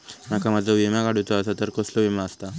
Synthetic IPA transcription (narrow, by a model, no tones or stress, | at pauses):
makamad͡zʱaʋimakaɽ̤ut̪oasat̪əɾkəsloʋimaəst̪a